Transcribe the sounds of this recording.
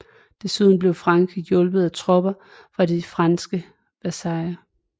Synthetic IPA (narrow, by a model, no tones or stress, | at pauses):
d̥e̝syðˠn̩b̥le̝ʊfʁɑ̈ŋkʰʁijɔ̽lb̥ð̩ˠæt͡sʰʁɔ̽b̥ɐ | fʁɑ̈difʁɑnsɡ̥ə | b̥æsɑ̈ɪɐ